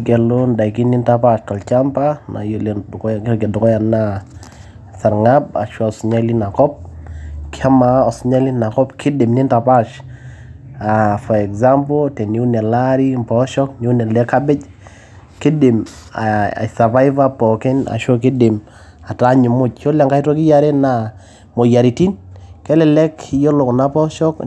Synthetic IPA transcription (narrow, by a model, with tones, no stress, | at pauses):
ɡɛ˨lo˦nda˨jki˦ni˦nta˦pa˦ʃtɔ˨lt͡ʃa˦mpa˦na̰˨jlkɔ˦ɡɛ˨dʊ˨kɔ˦ja˨na˦ | sa˨ɾŋa˦ba̰˨ʃɔ˦a˨sɲa˦li˦na˨kɔ˦p̚kɪ˦a˦ma˨ɔ˨sʊ˨ɲa˦li˦na˨kɔ˦pkʰɪ˦dɪ˨mnɪ˦nta˨pa˦ʃ | a˨fɔ˨ɛ˨kza˦mpo˦tɛ˨ni˦u˦nɛ˨la˦ɾi˦mpɔ˨ʃɔ˦kni˦u˦nɛ˨lɛ˦ka˦bɪ˦t͡ʃ | kɪ˦dɪ˨ma̰˨sa˨va˦jva˦pɔ˨kɪ˦na̰˨ʃɔ˦kɪ˦dɪ˨m | a˨ta˦ɲʊ˨mʊ˦t͡ʃt͡ʃo˦la˨ŋka˦i˦tɔ˦kɪ˦ja˦ɾe˦na˨ | mo˨ja˨ɾi˨ti˦nkɛ˦lɪ˨lɛ˦ki˦jo˦lʊ˨kna˦pɔ˦ʃɔ˦k